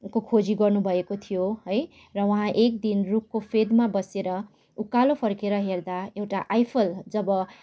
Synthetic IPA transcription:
kokʰod͡ziɡʌrnubʱʌekot̪ʰijoɦʌj | rʌwʌɦãʔek̚d̪inrukkopʰed̪mabʌseɾʌ | ukalopʰʌrkeɾʌɦerd̪aewʈaʔajpʰʌld͡zʌbʌ

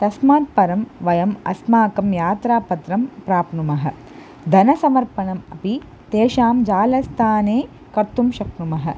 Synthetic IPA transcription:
t̪ɐsmaːt̪̚pɐɾɐmʋɐjɐmɐ̰smaːkɐmjaːt̪ɾaːpɐt̪ɾɐmpɾaːpnumɐɦɐ̰ | d̪ʱɐnɐsɐmɐɾpɐɳɐmɐpi | t̪eːʃaːmd͡ʒaːlɐst̪ʰaːneː | kɐɾt̪umʃɐknumɐɦɐ̰̆

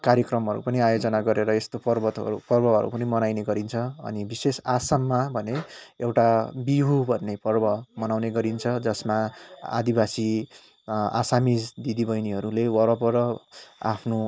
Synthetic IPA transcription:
kaɾjʌkrʌmɦʌɾṵpʌniajod͡zʌnaɡʌɾeɾʌest̪opʌrbʌt̪ʌ̰ɾupʌrbʌɦʌ̰ɾṵpʌnimʌnajneɡʌɾint͡sʰʌʌ̰nibisesasʌmːabʱʌneewʈabiɦubʱʌnːepʌrbʌmʌnawneɡʌɾint͡sʰʌd͡zʌsmaa̰d̪ibasi | a̰samid͡zd̪id̪ibʌjniɦʌɾulewʌɾʌpʌɾʌa̰pʰno

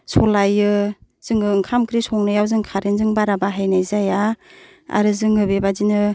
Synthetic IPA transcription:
sɔlajɯ | z̥ɯŋɯŋkʰamkɾisɔŋnɯjawzɯŋkʰaɾinzɯŋbaɾabaɦajnajzaja | a̰ɾɯzɯŋɯbebadinɯ

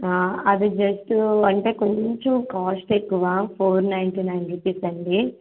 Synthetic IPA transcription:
ɐd̪id͡ʒɐsʈɐɳʈe̞ːko̞ɲt͡ʃomkaːsʈekːuʋaːpʰoːɾnɐjɳʈiːnɐjnʈipisɐɳɖi

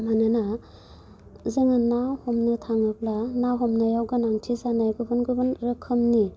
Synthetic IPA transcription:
manɯna | zɯŋanːahɔmnɯtʰaŋɯplanawɦɔmnajawɡanaŋtʰizanajɡɯbɯnɡɯbɯnɾɯkʰːɯmni

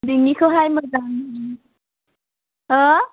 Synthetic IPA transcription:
d̪iŋikʰoɦajmʌd͡zan | ɦʌ

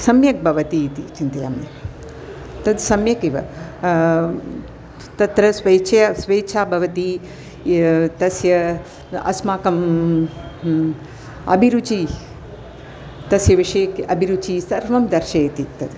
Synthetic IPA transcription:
sɐmjɐk̚bʱɐʋɐt̪it̪ḭt͡ʃint̪ɐja̰ːmnɐ | t̪ɐd̪sɐmjɐkiʋɐ̰ | t̪ɐt̪ɾɐsʋɐjt͡ʃʰɐjɐsʋeːt͡ʃʰaːbʱɐʋɐt̪i | t̪ɐsjɐ | ɐ̰smaːkɐm | ɐ̰bʱiɾut͡ʃi | t̪ɐsjɐʋiʂɐjɐkɐbʱiɾut͡ʃiːsɐɾʋɐmd̪ɐɾʃɐjt̪it̪ɐd̪

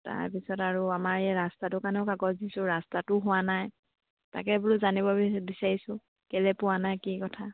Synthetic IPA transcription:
ta̰ɹpisɔtaɹuamaɹɛɹastatʊkanɛʊkaɡɔtdisʊɹastatʊɦʊwanaj | ta̰kɛbʊɹuzanibɔbisaɹisʊ | kɛlɛpʊwanajkikɔtʰa

